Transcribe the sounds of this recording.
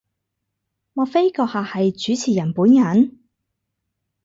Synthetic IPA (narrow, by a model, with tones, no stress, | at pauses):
mɔː˧fe˥jkɔː˧k̚haː˨hɐ˨jt͡ʃyː˨˥t͡sʰiː˨˩jɐ˨˩npuː˨˥njɐ˨˥n